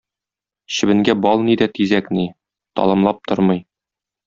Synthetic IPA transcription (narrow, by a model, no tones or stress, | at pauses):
ɕɘ̆bɘ̆ŋɡæbɒlˠnid̪æt̪izækni | t̪ɒ̰lˠɤ̆mlˠɑp̚t̪oɾmɤj